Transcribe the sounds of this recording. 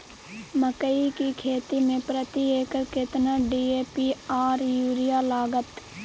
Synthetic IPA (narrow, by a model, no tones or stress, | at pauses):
məkəikikʰeːt̪imẽpɾət̪ieːkəɾkɪt̪naɖiːeːpiːaːɾjuːɾɪjalaːɡət̪